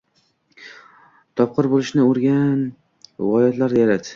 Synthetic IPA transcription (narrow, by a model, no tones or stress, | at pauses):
t̪ʰɒp̚qʰɨɾbolˠɪʃnɪʊɾɡʲan | vɒjat̪laɾd̪ajaɾat̪